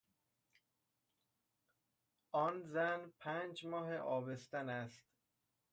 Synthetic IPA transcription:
ʔɒːnzænpʰænd͡ʒmɒːɦeʔɒːbest̪ænæst̪

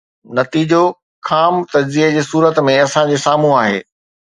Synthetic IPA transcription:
nɐt̪iːd͡ʑo | xʰaːmt̪ɐd͡ʑziəd͡ʑeːsuːɾət̪mẽɐsãd͡ʑeːsaːm̤ũaːɦḛː

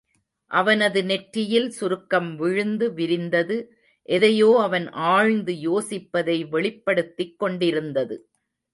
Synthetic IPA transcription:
ʔɐʋɐnɐðɯnɛʈɾɪjɪlsʊɾɯkːɐmʋɪɻɯnd̪ɯʋɪɾɪnd̪ɐðɯ | ʔɛðɐjoːɐʋɐnʔaːɻnd̪ɯjoːsɪpːɐðɐɪʋɛɭɪpːɐɽɯt̪ːɪkːɔɳɖɪɾɯnd̪ɐðɯ

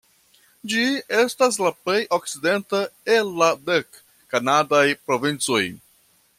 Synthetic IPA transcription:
d͡ʒie̞stas̬laple̞jʔo̞k̚t͡side̞ntaelːadekː | anadajpɾo̞vint͡soj

